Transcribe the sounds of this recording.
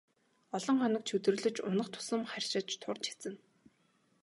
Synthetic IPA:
ɔɮɞ̆ŋχɔnɞ̆k̚t͡ɕʰɵt̪ɵr̆ɮɵ̆t͡ɕʊ̰nə̆χt̪ʰʊ̥sə̆mχærʲʃɪ̆t͡ɕt̪ʰʊrt͡ɕʰi̥t͡sɘ̆n

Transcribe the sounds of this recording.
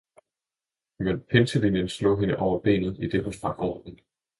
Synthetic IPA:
menpʰensəlinjənslɔ̰̽ːɦe̝nəʔɒʊɐb̥e̝̰ːnð̩ˠid̥e̝ɦo̽sfʁɑ̈ɡ̥ɒ̰ːd̥nn̩

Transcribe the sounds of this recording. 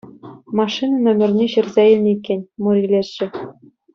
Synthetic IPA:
mɑʂinɤnʲɘ̆mʲɘ̆rʲnʲeɕɘ̆rzʲæilʲnʲikʲːɘnʲmuɾʲilʲesɕɘ̆

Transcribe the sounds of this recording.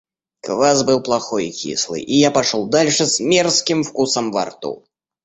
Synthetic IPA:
kvazbɨwplˠaxɔjḭkʲʰḭslˠɨ̰ʔijapaʂɔlˠd̪alʲʂɛzmʲɛrskʲimfkusɐmva̰rt̪ṵ

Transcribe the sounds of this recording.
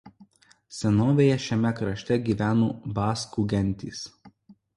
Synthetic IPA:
sʲɛnoːʋʲejɛʃʲɛmʲɛkɾɐʃʲt̪ʲɛɡʲiːʋʲæːnuːbɑːskuɡʲɛnʲˑt̪ʲḭːs

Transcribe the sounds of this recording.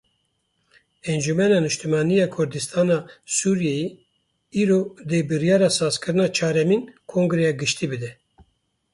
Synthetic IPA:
ɛnd͡ʒumɛnɑːnɨʃt̪umɑːnijɑːkʰʊɾd̪ɨst̪ʰɑːnɑːsuɾjɛje | iːɾod̪eːbɨɾjɑːɾɑsɑːzkɨɾɨnɑːt͡ʃʰɑːɾɛmiːnkʰoŋɡɾɛjɑːɡɨʃt̪iːbɨd̪ɛ

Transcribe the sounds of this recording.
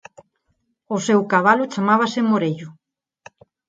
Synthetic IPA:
osewkaβ̞alot͡ʃamaβ̞asɪmoɾeʎʊ

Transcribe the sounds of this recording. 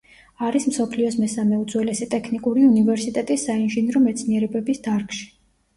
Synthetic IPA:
aɾismsɔpʰliɔsmɛsamɛud̪zwɛlɛsit̪ʼɛkʰnikʼuɾiunivɛɾsit̪ʼɛt̪ʼisːainʒinɾɔmɛt̪sʰniɛɾɛbɛbisd̪̥aɾkʃi̥

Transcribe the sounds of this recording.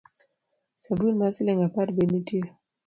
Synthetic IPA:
sabulmasileŋapat̚benitiə

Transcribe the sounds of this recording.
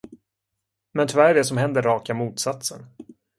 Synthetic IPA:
mɛnt̪ʰɵvæɖɛsɔmɦɛnd̪əɾːɑːkamuːt̪sat̪sə̰n

